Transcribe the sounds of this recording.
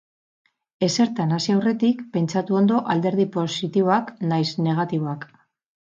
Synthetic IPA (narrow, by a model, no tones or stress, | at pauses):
e̞se̞ɾt̪anasiawre̞t̪ikpe̞nt͡ʃat̪uo̞nd̪o̞ʔald̪e̞ɾð̞ipo̞sit̪iβoaknajsne̞ɣ̞at̪iβo̞ak